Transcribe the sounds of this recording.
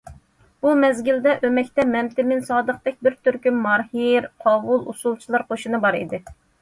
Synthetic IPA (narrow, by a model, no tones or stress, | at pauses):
b̥umɛzɡʲild̪ɛʔømɛkʲt̪ɛmɛmt̪ɪmɪnsɑːd̪əq̚t̪ɛk̚ʲbɪɾt̪ʰyɾkʲymmɑɾhiɾqʰɑːvulˠṵsulˠt͡ʃʰilˠɑɾqʰoʃinɨbɑɾḭd̪ɪ